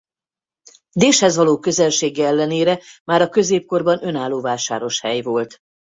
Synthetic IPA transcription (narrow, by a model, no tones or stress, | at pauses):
d̪eːʃhɛzʋɒloːkø̞zɛlʃeːɡɛɛlːɛneːɾɛmaːɾɒkø̞zeːp̚ko̞rbɒnø̞naːlːoːvaːʃaːɾo̞ʃhɛjvo̞lt̪